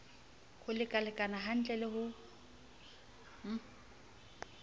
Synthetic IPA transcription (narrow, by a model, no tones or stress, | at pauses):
hʊlɪkʼalɪkʼanaɦan̩t͡ɬʼɛlɪhʊ